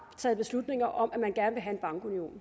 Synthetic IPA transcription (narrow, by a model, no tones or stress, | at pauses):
t͡sʰɛ̰ːðˠb̥e̝slud̥ne̝ŋɐʔɒ̽mʔæmænɡ̥æɐnəʋe̝ɦæe̝nb̥ɑ̈ŋɡ̥unio̝̰ːn